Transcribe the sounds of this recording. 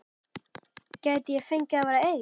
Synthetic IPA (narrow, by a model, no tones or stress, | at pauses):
caːjt̪ɪjɛɣfejɲcaavaːɾaej